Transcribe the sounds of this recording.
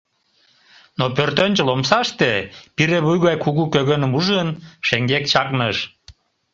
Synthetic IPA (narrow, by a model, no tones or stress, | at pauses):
nopørt̪ønʲt͡ɕəlomsɑʃt̪epiɾeβujɣɑjkuɣukøɣønəmuʒənʃeŋɡekt͡ɕɑknəʃ